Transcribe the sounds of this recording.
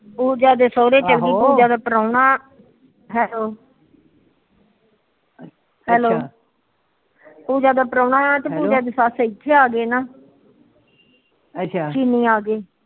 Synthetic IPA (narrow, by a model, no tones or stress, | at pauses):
puːd͡ʒaːd̪eːsoːɾeːt͡ʃəlɡiːpuːd͡ʒaːd̪aːpəɾaːnaː | ɦɛːloː | hɛːloː | puːd͡ʒaːd̪aːpəɾãːɳaːaːt̪eːpuːd͡ʒaːd̪eːsaːsɪtʰːeːaːɡeːnaː | əakiːniːaːɡeː